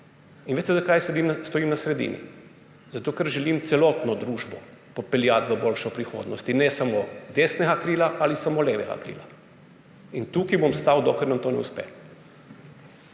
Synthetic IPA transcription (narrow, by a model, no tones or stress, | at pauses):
inʋeːt̪t̪ezakajsed̪imst̪ɔiːmnasɾɛd̪ḭːnḭ | zat̪oːkɛɾʒɛlimt̪sɛlɔt̪nɔd̪ɾuːʒbɔ̰pɔpɛljat̪ʋəboːlʃɔpɾixo̰ːd̪nɔst̪inɛsamod̪eːsnɛɡakɾiːlaʔalisamoːleːʋɛɡa̰kɾḭːla̰ | int̪ukibɔmst̪awd̪oklɛɾnant̪oːnɛ̰uspɛ̰